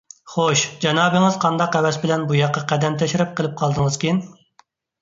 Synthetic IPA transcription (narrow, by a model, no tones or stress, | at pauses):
χoʃd͡ʒɑnɑːbɨŋɨzqʰɑnd̪ɑqɛwɛsbɪlɛnbujɑqːɑqʰæd̪ɛmt̪ʰɛʃɪɾɪp̚qʰəlˠɪp̚qʰɑlˠd̪ɨŋəz̥kʲʰin